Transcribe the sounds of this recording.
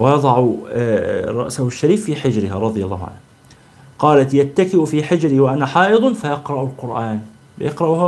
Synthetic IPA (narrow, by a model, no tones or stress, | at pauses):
wɪjɑd̪ˤɑʕʊ | ɾˤɑ̰ʔsahʊʃːaɾiːfːiːħɪd͡ʒɾɪhaɾˤɑd̪ˤjalˤːɑːhʊʕa̰nh | qɑːlat̪jat̪ːakɪʔʊfiːħɪd͡ʒɾiwaʔanaħɑːʔɨðˤnfajɑqɾˤɑʔʊlqʊɾʔaːn | jɑqɾˤɑʔh